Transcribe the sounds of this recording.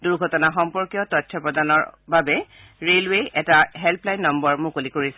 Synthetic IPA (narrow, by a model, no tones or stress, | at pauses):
duɹɡʱɔtɔnaxɔmpɔɹkijɔtɔtʰːɔpɹɔdanɔɹbabɛ | ɹelweɛtaɦɛlpʰlajnːɔmbɔɹmʊ̃kolikoɹisɛ